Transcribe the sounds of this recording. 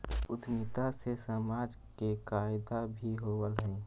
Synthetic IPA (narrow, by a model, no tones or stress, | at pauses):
ʊt̪mit̪asesəmaːd͡ʒ | kekaɪd̪abʱiɦowəlɦɛ̃ː